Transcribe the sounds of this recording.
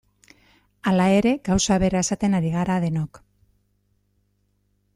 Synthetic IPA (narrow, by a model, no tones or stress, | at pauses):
alae̞ɾe̞ɡawsaβe̞ɾae̞sat̪e̞naɾiɣ̞aɾaðe̞nok